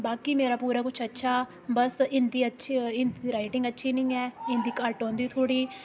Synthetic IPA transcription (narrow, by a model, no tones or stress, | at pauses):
baːkiːmeːɾaːpuːɾaːkʊt͡ʃʰətːʃʰaː | bəsɪnd̪iːətːʃʰiɪnd̪iːɾaːɪʈɪ̃ŋɡətːʃʰiːnĩːɛːɪ̃nd̪iːkəɾʈɔ̃ːnd̪iːt̪ʰoːɽiː